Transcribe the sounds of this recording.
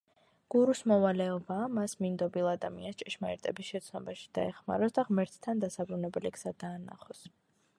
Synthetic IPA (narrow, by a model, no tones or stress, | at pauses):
ɡ̥uɾusmɔvalɛɔbaːmasmind̪ɔbilˠad̪amianst͡ʃʼɛʃmaɛɾt̪ʼɛbisʃɛt̪sʰnɔbaʃi̥d̪̥a̰ɛχma̰ɾɔsd̪aʁmɛɾt̪ʰt̪ʰːand̪asabɾunɛbɛliksad̪aːna̰χɔs